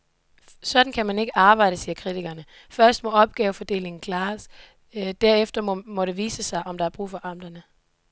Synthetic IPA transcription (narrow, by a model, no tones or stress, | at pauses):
sɒ̽d̥n̩kʰæmæne̝ɡ̥əʔɑ̈ːb̥ɑ̈ɪdəsiːɐkʰʁit͡sʰiɡ̥ɐnə | fɶɐsd̥mɒ̽ɒ̽b̥̚ɡ̥ɛːʊfɒ̽d̥e̝̰ːle̝ŋn̩kʰlɑ̈ːs | d̥æɐ̰efd̥ɐmɒ̽ɾ̥e̝ʋiːsəsɑ̈ɪʔɒ̽md̥ɑæɐb̥ʁṵːfɒ̽ʔɑ̈m̰d̥ɐnə